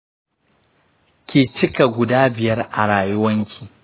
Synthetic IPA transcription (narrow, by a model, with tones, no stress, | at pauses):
kʲeː˨t͡ʃɪ˦ka˨ɡʷʊ˨daː˦bɪ˨jɐ˦rʔa˨ɽaː˨jʊ˦wɐ˦ŋkʲʰi̥ː˨